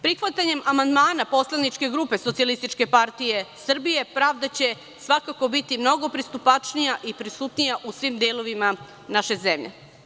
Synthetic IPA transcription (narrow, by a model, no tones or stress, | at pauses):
pɾixʋat̪aɲe̞mamand̪maːnapo̞slˠanit͡ʃke̞ɡɾuːpe̞so̞t̪sialist̪it͡ʃke̞paɾt̪ije̞sr̩bije̞pɾaːʋd̪at͡ɕe̞ | sʋakako̞bit̪imno̞ɡo̞pɾist̪upat͡ʂnijaʔipɾisut̪nijaʔusʋimd̪eːlˠo̞ʋima | naʃezemʎḛ